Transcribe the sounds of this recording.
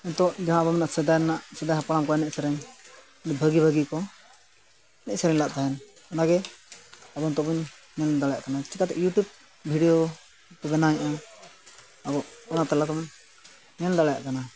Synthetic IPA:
ɛnt̪ɔʔd͡ʒaɦãbɔmɛnaʔsɛd̪ajnaʔsɛd̪ajɦapaɽamkɔɛnɛʔsɛɾɛɲ | nbʱəɡibʱəɡikɔ | ɛnɛʔsɛɾɛɲlaʔd̪aɦɛn | ɔnaɡɛ | abɔnt̪ɔbuɲ | ɲɛnd̪alɛjaʔkanat͡ʃikat̪ɛ̰ʔjuʈub̚ | bʱiɖijo | k̪ubɛnaɲʔa | abɔʔɔnat̪ɛlat̪ɔbuɲ | ɲɛnd̪alaja̰ʔkana

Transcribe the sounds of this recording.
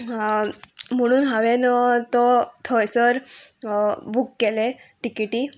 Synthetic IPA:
m̤əɽ̃uːnɦaʋenɔt̪ɔt̪ʰɔjsəɾ | bʱukːeleʈikiʈiː

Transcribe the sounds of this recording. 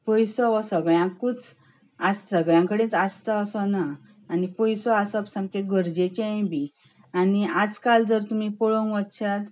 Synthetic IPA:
pəjsɔʋɔsəɡɭjãkut͡s | assəɡɭjãŋkəɽẽt͡sast̪aːsɔnaː | nipəjsɔasəpsãmkeɡəɾd͡ʑet͡ɕẽbi | aniad͡zkald͡zəɾt̪um̤ipɔɭoŋɡʋət̪ɕat̪

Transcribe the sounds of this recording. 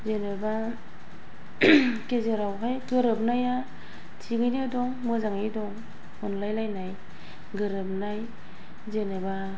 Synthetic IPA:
zenɯba | kezeɾawkʰajɡɯɾɯp̚naja | tʰiɡɯjnedɔŋmɯzaŋedɔŋ | ɔnlajlajnaj | ɡɯɾɯp̚naj | zeneba

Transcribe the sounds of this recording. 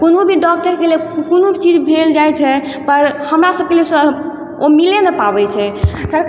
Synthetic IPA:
konobʱiɖɔk̚ʈəɾkelekonobʱit͡ʃid͡ʒbʱeld͡ʒajt͡ʃʰɛ | pəɾhəmɾasəb̚keles | omilenəpabɛt͡ʃʰɛsəɾ

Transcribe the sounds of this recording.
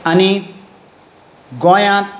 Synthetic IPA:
ɐni | ɡɔjãt̪

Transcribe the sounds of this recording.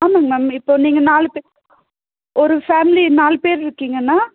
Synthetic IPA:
aːmɐŋɡmaːmɪpːoːniːŋɡɐnaːlpeː | ɔɾɯfaːmɪlinaːlpeːɾɪɾɯkːiːŋɡɐnːaː

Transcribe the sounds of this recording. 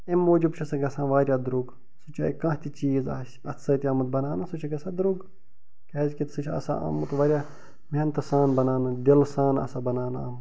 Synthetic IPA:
emːoːd͡ʒubt͡ʃʰusɐɡɐsãːʋaːɾʲjaːd̪ɾuɡ | sut͡ʃʰaːikãːɦt̪ʲit͡ʃiːza̰ːs | ɐ̰t̪sɐt̪ʲiɐːmɐt̪̚bɐnaːnɐsut͡ʃʰiɡɐsãːd̪ɾuɡ | keːzʲkit̪sut͡ʃʰɐ̰sa̰ɐ̰ːmɐt̪ʋaːɾʲjaː | meːnt̪ɐsaːnbɐnaːnɐd̪ilsaːnɐ̰saːbɐnaːna̰ːm

